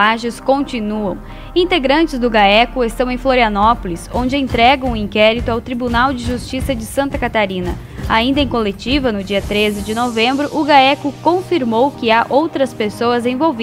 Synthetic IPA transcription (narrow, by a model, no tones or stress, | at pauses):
aʒɪskõnt͡ʃinuɐ̰̃w̃ | ĩnt̪eɡɾɐ̃nt͡ʃɪzd̪ʊɡaɛkʊest̪ɐ̃w̃ẽj̃floɾiɐnɔpolisõñd͡ʒɪẽnt̪ɾɛɡɐ̃w̃ʊĩŋkɛɾit̪ʊawt̪ɾibunawd͡ʒɪʒust͡ʃisɐd͡ʒɪsɐ̃nt̪ɐkat̪aɾĩnɐ | aĩnd̪ɐẽj̃kolet͡ʃivɐnʊd͡ʒiɐt̪ɾezɪd͡ʒɪnovẽmbɾʊʔʊɡaɛkʊkõfiɾmowkɪaʔowt̪ɾɐspesowɐzẽvowvi